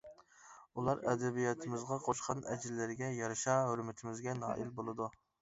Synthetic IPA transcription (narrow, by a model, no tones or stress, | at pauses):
ulˠɑɾɛd̪ɛbijɑt̪ʰɪmɪzʁɑqʰoʃqʰɑnɛd͡ʒɪlːɪɾɡʲɛjɑɾɨʃɑɦøɾmɪt̪ʰɪmɪzɡʲɛnɑ̰ːʔilbolˠɨd̪u